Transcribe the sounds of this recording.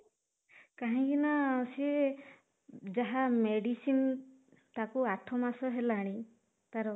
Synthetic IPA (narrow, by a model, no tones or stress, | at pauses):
kaɦĩkinasi | d͡ʒaɦameɽisin | t̪akuaʈʰɔmasɔɦelaːɽ̃ĩ | t̪aɾɔ